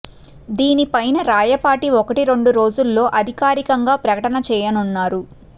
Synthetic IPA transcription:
d̪iːnipɐjnɐɾaːjɐpaːʈiɔkɐʈiɾe̞ɳɖuɾo̞ːd͡ʒulːo̞ːʔɐd̪ʱikaːɾikɐŋɡaːpɾɐkɐʈɐnɐt͡ʃɛːjɐnunːaːɾu

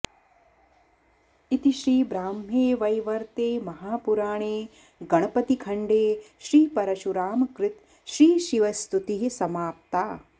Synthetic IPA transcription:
it̪iʃɾiːbɾaːmeːʋɐjʋɐɾt̪eːmɐɦaːpuɾaːɳeː | ɡɐɳ̃ɐpɐt̪ikʰɐɳɖeːʃɾiːpɐɾɐʃuɾaːmɐkɾɪt̪ | ʃɾiːʃiʋɐst̪ut̪iɦisɐmaːp̚t̪aː

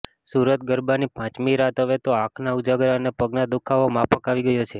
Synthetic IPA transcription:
suɾət̪̚ɡəɾbanipãt͡ʃmiɾat̪ɦəʋet̪oãkʰnaud͡ʒaɡɾanepəɡnad̪ukʰaʋomapʰəkaʋiɡəjot͡ʃʰe

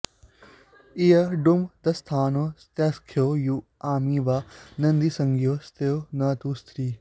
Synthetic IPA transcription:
ijɐɖumd̪ɐst̪ʰaːnost̪jɐskʰjoːjuaːmiːʋaːnɐnd̪isɐŋɡjoːst̪eonɐːt̪uːst̪ʰɾiː

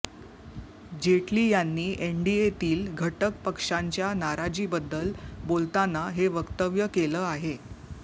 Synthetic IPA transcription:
d͡ʑeʈliːjanːiːʔeɳɖiet̪iːlɡʱəʈəkpəkʂaɲt͡ɕjanaɾad͡ʑiːbəd̪ːəlbolt̪anaɦeʋəkt̪əʋjəkeləːaɦe

